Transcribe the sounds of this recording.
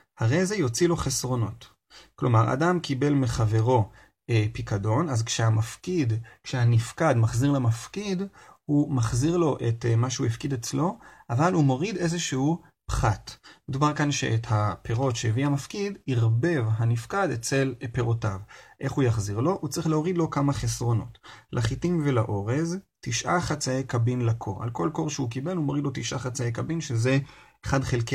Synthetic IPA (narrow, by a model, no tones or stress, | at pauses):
haʁe̞jzejo̞t͡silo̞χesʁo̞no̞t | klo̞maʁa̰damkibe̞lmeχave̞ʁo̞ | epikado̞nazkʃeamafkidkʃeanifkadmaχziʁlemafkidhumaχziʁlo̞ʔetmaʃeujefkidet͡slo̞ʔavalhumo̞ʁide̞zeʃehu | pχatmed̪ubaʁkanʃḛʔethape̞ʁo̞tʃeeviamafkidiʁbe̞vɦanifkade̞t͡se̞lpe̞ʁo̞ta̰vʔe̞χujaχziʁlo̞ʔut͡sʁiχleo̞ʁidlo̞kamaχesʁo̞no̞̰tlʔaχitimve̞laʔo̞ʁeztiʃʔaχat͡saekabinlakʰo̞̰ʁa̰lko̞lko̞ʁʃeuk̬ibe̞lhumoʁid̪lo̞tiʃʔaχat͡sajekabinʃeze̞eχadχelke